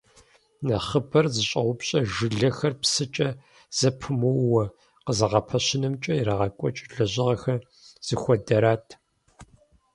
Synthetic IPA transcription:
nɐχəbɐrzɨɕʼɐʁʷʊpɕʼɐʒɨɮɐxɐrpsɨt͡ʃʼɐ | z̥ɐpʰɨmɐwwɐ | qəzɨʁɐpʰɐɕɪnɐmt͡ʃʼɐjiɾaʁɐkʷʼɔt͡ʃʼɮɐʑɪʁɐxɐr | z̥ɨxʷɔdɐɾaːtʰ

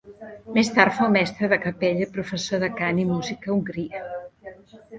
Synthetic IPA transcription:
mest̪aɾt̪fowmɛst̪ɾəðəkəpeʎəpɾufəsoðəkanimuzikəuŋɡɾiə

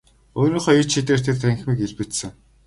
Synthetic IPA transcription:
oːɾiːŋχɔjit͡ɕʃit̪eːr̥t̪ʰert̪ʰæŋxʲmiːkeɮpɘ̆t̪sɘ̆ŋ

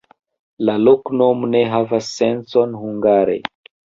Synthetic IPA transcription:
laloknomne̞ɦavasːe̞nso̞nhuŋɡaɾḛ

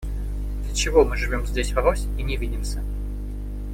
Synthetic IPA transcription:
d̪lʲət͡ɕɪvo̞mɨʐɨvʲo̞mzʲdʲesʲvɐɾosʲinʲɪvʲidʲɪmsʲə

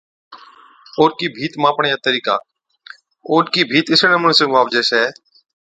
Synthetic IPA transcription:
oːnkiːbʱiːt̪mãːpɳjãːt̪əɾiːka̰ː | oːnkiːbʱiːt̪ɪsənəməɳsẽːmaːʋd͡ʒeːseː

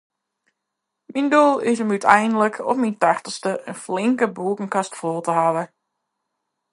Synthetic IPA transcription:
mindulˠɪsəmytʰɛjndələkʰɔ̰fmintaχtəstəʔənflɪŋkəbuəkəŋ̩kastfoːlˠtəhaʋə

